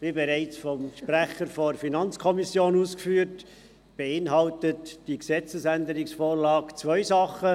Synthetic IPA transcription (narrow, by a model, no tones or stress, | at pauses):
b̥ibɛɾæɪt͡sfɔmʃpræχəɾfɔfinɑnt͡skʰɔmisjoːnuːskfyːɾt | b̥eɪnɦɑltətd̥iksɛt͡səsændəɾɪksfoːɾlɑːkt͡svœʏsɑχə